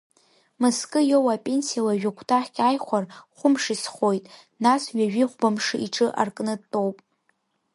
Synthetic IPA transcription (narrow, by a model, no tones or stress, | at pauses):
mɨskʼɨjowapʼe̞nsijalaʒᶣakʷʰtʰʼaħʲkʲʼajχʷarχʷʊmʂisχo̞jtʼ | nasɥaʒᶣiχʷbamʂɨiʈ͡ʂʼɨʔa̰rkʼnɨtʼo̞wpʼ